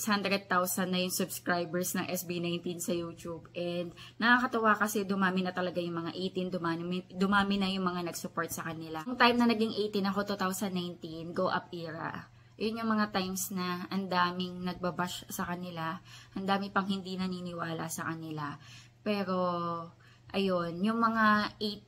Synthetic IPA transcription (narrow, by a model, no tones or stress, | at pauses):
shand̪ɾɛd̪̚t̪awsɐnːɐjʊŋsʊbskɹajbɛɹsnɐŋʔɛsbinajnt̪insɐjuːt͡ʃubʔɛnd̪̚nɐkakɐt̪ɐwakɐsɛd̪ʊmaːmɪnɐt̪ɐlɐɡajʊŋmɐŋaʔejt̪ind̪ʊmaɪd̪ʊmaːmɪnɐjʊŋmɐŋanɐɡsʊpo̞ɹt̪̚sɐkɐnɪlaŋt̪ajmnɐnɐɡɪŋʔejt̪ɪnɐko̞t̪ut̪awsɐnːajnt̪inɡowʔɐp̚ʔiːɾɐ̰ʔ | ʔɐjonjʊŋmɐŋat̪ajmsnɐʔɐnd̪aːmɪŋnɐɡ̚bɐbaʃsɐkɐnɪlaʔɐnd̪aːmɪpɐŋhɪnd̪inɐniːnɪwaːla̰sɐkɐnɪla | pɛːɾo̞ | ʔɐjo̞njʊŋmɐŋaʔet̪̚